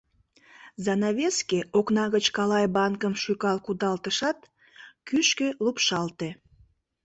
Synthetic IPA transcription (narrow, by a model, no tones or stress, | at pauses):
zɑnɑβeskeoknɑɣət͡ɕkɑlɑjbɑnkəmʃykɑlkud̪ɑlt̪əʃɑt̪ | kyʃkelupʃɑlt̪e